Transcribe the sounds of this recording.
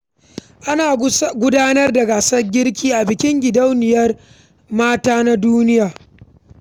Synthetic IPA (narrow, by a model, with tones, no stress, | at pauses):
ʔa˦naː˨ɡʷʊ˦daː˦nɐ˦rda˨ɡaː˨sɐ˦rɡʲɪ˦rkʲiː˦ʔa˨bɪ˨kʲɪ˦ŋɡʲɪ˨dɐ˦wnɪ˨jɐ˦r | maː˦taː˦na˦duː˦nɪ˦jaː˨